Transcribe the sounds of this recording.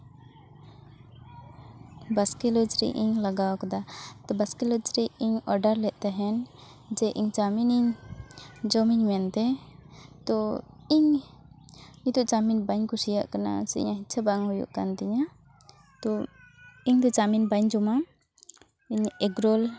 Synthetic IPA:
baskɛləd͡ʒɾḭʔḭɲlaɡawkad̪at̪ɔbaskɛləd͡ʒɾiiɲɔɾɖaɾlɛʔ̪̚ˀt̪ɛɦɛn | d͡ʒɛʔiɲt͡ʃaminiɲ | d͡ʒɔmiɲmɛnt̪ɛ | t̪ɔ | iɲ | ɲit̪uʔt͡ʃaminbaɲkusijaʔkana̰sḭɲaɦit͡ʃʰabaŋhujṵʔkant̪ɛɲa | t̪ɔ | iɲd̪ɔt͡ʃaminbaɲd͡ʒɔma | iɲɛɡɾɔl

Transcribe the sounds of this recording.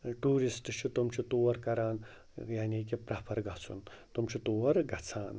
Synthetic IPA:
ʈuːɾisʈt͡ʃʰit̪umt͡ʃʰit̪uːʋɐɾkɐɾaːn | jaːnikipɾaːpʰɐɾɡʱat͡sʰṵn | t̪umt͡ʃʰit̪uːʋɐɾɡʱɐt͡sʰaːn

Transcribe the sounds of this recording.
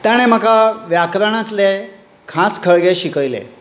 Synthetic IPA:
t̪jaɽ̃em̤akaʋjakɾəɽ̃ãt̪le | kʰãskʰəɭɡeɕikəjlḛ

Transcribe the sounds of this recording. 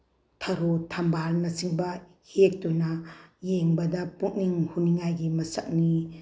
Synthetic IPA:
tʰaɾotʰambaɾnɐsiŋbɐ | hek̚tunɐjeŋbɐdɐpuk̚niŋhuniŋajɡimɐsak̚ni

